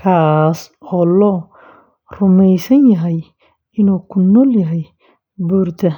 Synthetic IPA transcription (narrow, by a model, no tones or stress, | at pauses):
kʰaːsɔːlɔː | rʊmɛjsɐnjɐɦɛj | ɪnuːkʰʊnɔːljɐɦɛj | buːrd̪ʰɐ